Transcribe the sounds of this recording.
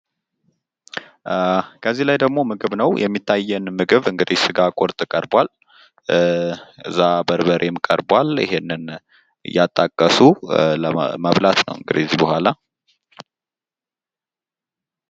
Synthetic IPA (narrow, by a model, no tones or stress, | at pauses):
kʰəzːilajd̪əɡmo̞mɨɡɨβnəwjʔɛmːit̪ʰːajːɛnmɨɡɨβɨŋɡɨd̪ihsɨɡakʼoɾt̪ʼɨkʼəɾbʷal | ɨɨ̰zːabəɾbəɾʔemɨkʼə̰ɾbwalɪ̰ɦenːɨn | ɨ̰jːat̪ʼːakʼːəsuləməβlat̪nə̰wɨŋɡɨd̪iɛzibəhʷala